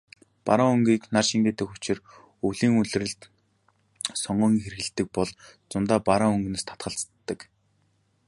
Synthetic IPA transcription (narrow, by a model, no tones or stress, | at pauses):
pa̰ɾaɵŋɡiːknarʃiŋɡeːt̪ɘ̆xʊt͡ɕɪ̆r | uɮiːŋɵɮ̆rɘ̆ɮt̪ | sɔɴɢɞːŋiːŋxer̆ɣɘ̆ɮt̪ɘ̆k̚pɔɮt͡sʊnt̪aːpaɾaːɵŋɡneːst̪ʰḁt̪χə̆ɬt͡st̪ːə̆k